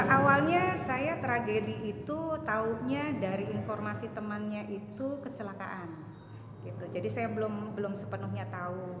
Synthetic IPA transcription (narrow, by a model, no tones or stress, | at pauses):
ʔawalɲasajat̪ɾaɡediʔːt̪ut̪auhɲadaɾiinformasit̪əmənɲaʔit̪ukət͡ʃəlaka̰ʔan | ɡit̪ud͡ʒadisajabəlʊmbəlʊmsəpənuhɲat̪au